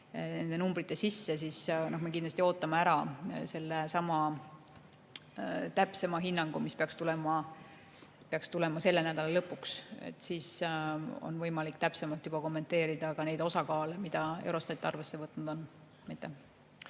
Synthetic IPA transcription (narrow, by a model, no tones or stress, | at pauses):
ne̞nd̪e̞numb̥ɾit̪ːˑe̞sisːe̞s̬isnɑhmekind̪lɑst̪ʲio̞ːt̪ːˑɑmeæɾɑse̞lːesɑmɑ | t̪æpse̞mɑɦinːɑŋɡ̥umispeɑkst̪ulɛmɑ | peɑkst̪ule̞mɑse̞lːenæd̪ɑlelɤpːˑuksḛt̪ːˑsiːs | o̰nvɤ̞jmɑlikːt̪æpse̞mɑlt̪jub̥ɑko̞mːe̞nt̪e̞ːɾid̪ɑkɑne̞jd̪̥o̞sɑkɑːlemid̪̥ɑḛwɾo̞st̪ɑt̪ˑːɑrve̞sːe̞vɤt̪ːˑnud̪̥on | mit̪ːˑe